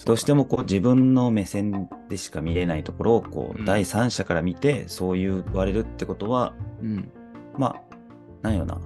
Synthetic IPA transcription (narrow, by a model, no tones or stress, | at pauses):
d̪̥o̞ːɕi̥t̪emo̞ko̞ːd͡ʑibɯ̟̃nːo̞me̞sẽ̞nd̪̥e̞ɕi̥kamʲiɾe̞nait̪o̞ko̞ɾo̞ːko̰ːd̪aisãɰ̃ɕakaɾamʲit̪e̞so̞ːjɯ̟ːβaɾe̞ɾɯ̟t̪ːe̞ko̞t̪o̞βaɯ̟̃ | ma̰ | nãĩjo̞̰na̰